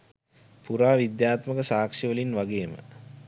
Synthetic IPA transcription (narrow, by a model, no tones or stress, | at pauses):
puɾaːʋid̪jaːt̪məkəsaːkʂiʋəlinʋaɡeːmə̰